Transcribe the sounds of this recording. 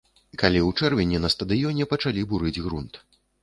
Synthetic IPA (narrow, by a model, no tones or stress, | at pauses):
kalʲiwt͡ʂɛrvʲɛnʲɛnɐst̪ɐd̪ɨjɔnʲɛpɐt͡ʂalʲibuɾɨd͡zʲɣɾunt̪